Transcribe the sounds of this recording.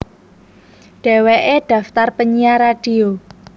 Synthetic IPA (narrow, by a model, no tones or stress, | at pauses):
ɖ̥ɛ̤weʔeɖ̥ä̤ft̪arpəɲiaɾaɖ̥i̤o